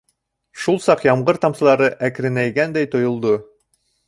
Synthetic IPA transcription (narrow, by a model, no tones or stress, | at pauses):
ʃulˠsɑqjɑmʁɤɾt̪ɑmsɤ̆lˠɑɾɤʔækɾɘ̆næjɡænd̪æjt̪ŏjŏlˠd̪o